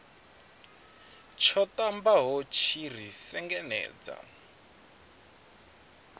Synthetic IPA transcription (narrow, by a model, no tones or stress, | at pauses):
t͡ʃʰɔtambaɦɔt͡ʃʰir̤isɛŋɡɛnɛ̰ːd͡za̰